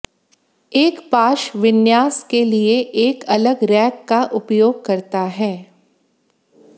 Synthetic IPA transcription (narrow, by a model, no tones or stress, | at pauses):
eːkpaːʃʋɪnjaːskelieʔeːkɐləɡɾɛːkːaʔʊpjoːɡ̚kɐɾt̪aɦɛː